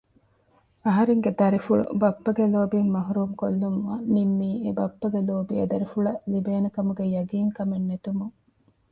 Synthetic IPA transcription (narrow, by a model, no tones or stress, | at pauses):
ɐɦɐɾeŋɡed̪ɐɾifuɭṵbɐpːɐɡeloːbimmɐɦuɾuːmkolːumʋɐnimːiːebɐpːɐɡeloːbiɐ̰d̪ɐɾifuɭɐlibeːnɐkɐmuɡejɐɡiːŋkɐmenːet̪umuŋ